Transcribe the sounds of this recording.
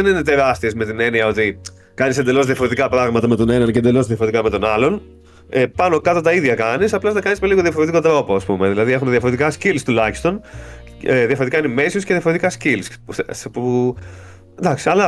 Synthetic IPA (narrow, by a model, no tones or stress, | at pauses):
ðenine̞t̪e̞ɾɐst̪iezme̞t̪ine̞niɐo̞t̪i | kɐnise̞nd̪e̞lo̞zðiɐfoɾe̞t̪ikɐpɾɐɣmɐt̪ɐme̞t̪o̞ne̞nɐnceend̪e̞lo̞zðiɐfoɾet̪ikɐme̞t̪o̞nɐlo̞n | epɐno̞kɐt̪ot̪ɐiðʝɐkɐnisɐplɐznɐkɐnismeliɣo̞ðiɐfo̞ɾet̪iko̞t̪ɾo̞po̞ɐspume̞ðilɐðiexuneðiɐfoɾe̞t̪ikɐscilst̪ulɐçi̥st̪o̞n | eðiɐfoe̞t̪ikɐineme̞sjosceðiɐfo̞ɾe̞t̪ikɐscilspspu | nd̪ɐksiɐlɐ